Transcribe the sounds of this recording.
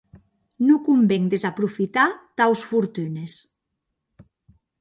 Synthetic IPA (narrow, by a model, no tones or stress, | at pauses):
nukumbeŋd̪ezapɾufit̪at̪awsfuɾt̪ynes